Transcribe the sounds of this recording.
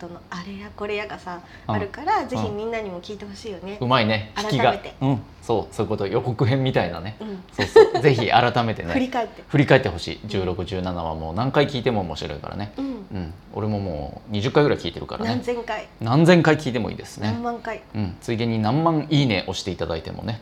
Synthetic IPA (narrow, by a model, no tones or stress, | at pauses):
sonoaɾejako̞ɾejaɡasa | aɾɯ̟kaɾaze̞çimʲĩnːaɲ̟imo̞kʲiːt̪e̞ho̞ɕiːjone̞ɯmaine̞çiɾkʲiɡaet̪eɯ̟̃ | so̞ːsoɯ̟ko̞t̪o̞jo̞ko̞kɯ̟ɦẽ̞mːʲit̪aina̰ne̞ɯ̃soːsze̞çiʔa̰ɾat̪ame̞t̪e̞neɯɾʲikaet̪ːeɸɯ̟ɾʲikae̞t̪ːeɦo̞ɕḭːd͡ʑɨːɾo̞kɯ̟ʑɨːnanaβa̰mo̞ːnãŋkaikʲiːt̪e̞mo̞ːmo̞ɕiɾo̞̰ḭka̰ɾa̰ne̞ɯ̃ɯ̟̃ɴ | o̞̰ɾe̞mo̞mo̞̰ːɲ̟iʑɨkːaiɡɯɾaikʲiːt̪e̞ɾɯ̟ka̰ɾʔa̰nnezẽ̞ŋkainãnd͡zẽ̞ŋkaikʲiːt̪e̞mo̞̰ḭːd̪esɨ̥nemmːãŋkaiɯ̟̃ɴt͡sɨid̪ẽ̞ɲ̟ːinãmːãŋiːne̞ʔo̞ɕi̥t̪e̞it̪ad̪ait̪e̞̰mo̞̰ne